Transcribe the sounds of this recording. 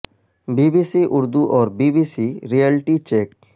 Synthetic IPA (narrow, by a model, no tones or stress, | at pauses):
bibisiʔuɾd̪uʔɔɾbibisiɾialʈit͡ʃek̚